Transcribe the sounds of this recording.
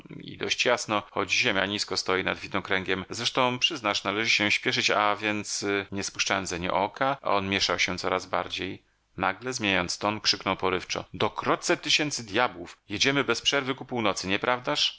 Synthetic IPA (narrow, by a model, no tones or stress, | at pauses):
ḭd̪ɔ̰ɕt͡ɕjasnɔxɔd͡ʑʑemʲja̰ɲiskɔst̪ɔjina̰d̪vʲid̪nɔkɾɛŋɡʲjɛmzɾɛʂt̪ɔ̃w̃pʂɘznaʂnalɛʐɘɕɛɕpʲjɛʂɘt͡ɕavʲjɛnt̪sɲɛspuʂt͡ʂawɛmzɛɲɛ̰ʔɔkaʔa̰ɔnmʲjɛʂawɕɛt̪sɔɾazba̰ɾd͡ʑej | naɡlɛzmʲjeɲajɔnt̪st̪ɔnkʂɘknɔwpɔɾɘft͡ʂɔ̰d̪ɔkɾɔt̪t̪sɛt̪ɘɕɛnt̪sɘd̪ʲjabwufjed͡ʑɛmɘbɛspʂɛɾvɘkupuwnɔt̪sɘɲɛpɾʔavd̪aʂ